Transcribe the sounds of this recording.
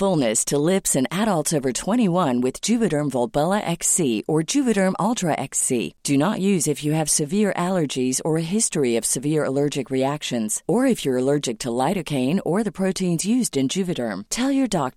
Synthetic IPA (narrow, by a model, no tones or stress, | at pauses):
fʊlˠnɨstʰəlɪpsɨ̃næɾəlˠtsoʊvə˞tʰw̥ɛ̃ɾ̃iwʌ̃nwɨð̥d͡ʒʉvɨɾə̃˞mvɔlˠbɛlˠəʔɛksiə˞d͡ʒʉvɨɾə̃˞mʔɔlˠtʰɹəʔɛksḭd̥ɨnəʔjʉzɨfjɨːv̥sɨvɪɹʔælˠə˞d͡ʒizə˞ɨɦɪstɹiʌv̥sɨvɪɹə̰lɜ˞d͡ʒɨkɹiækʃɨ̃nz̥ə˞ɨfjə˞əlɜ˞d͡ʒɨk̚tʰəlaɪɾɨkʰẽɪ̃nə˞ðɨpʰɹ̥oʊɾʰĩnzjʉzdɨ̃nd͡ʒʉvɨɾə̰̃˞mtʰɛlˠjə˞dɑk̚